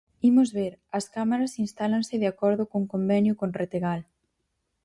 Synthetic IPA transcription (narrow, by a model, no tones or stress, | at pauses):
imʊzβeɾɐskamaɾɐsinst̪alansɪðeakɔɾðʊkoŋkombɛnjʊkonret̪eɣal